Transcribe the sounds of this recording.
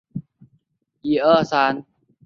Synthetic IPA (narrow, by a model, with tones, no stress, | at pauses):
ʔiː˧˩ʔɤː˥˩saː˨˦˥n